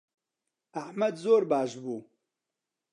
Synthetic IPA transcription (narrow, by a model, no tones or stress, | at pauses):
aħmɐd̪zoːɾbaːʃbuː